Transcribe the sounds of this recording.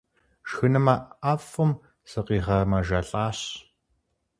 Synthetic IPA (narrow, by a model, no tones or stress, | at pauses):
ʃxɨnɨmɐafʊm | sɨqiːʁɐmɐʒɐɬʼaːɕ